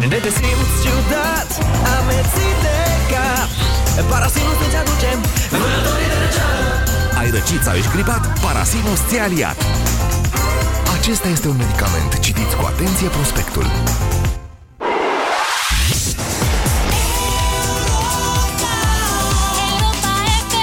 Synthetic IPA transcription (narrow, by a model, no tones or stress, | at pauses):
d̪et̪esimt͡ʃud̪a | t̪amet̪id̪eka | ppaɾasinusnent͡ʃad̪ut͡ʃemunət̪oɾid̪eɾet͡ʃalə | ajɾət͡ʃit̪sa̰viʃɡɾibat̪paɾa̰sinost̪ealia̰t̪ | at͡ʃe̞st̪ajest̪e̞unme̞d̪ikamḛnt̪t͡ʃit̪it̪sʲkua̰t̪e̞nt̪sijepɾospe̞kt̪ṵl